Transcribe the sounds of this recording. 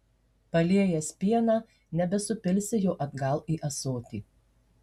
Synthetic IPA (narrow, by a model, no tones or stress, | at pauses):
pɐlʲiɛjɛsʲpʲiɛnɑː | nʲɛbʲɛsʊpʲɪlʲsʲɪjoːʔɐd̪ɡɐlˠiːʔɐsoːt̪ʲḭː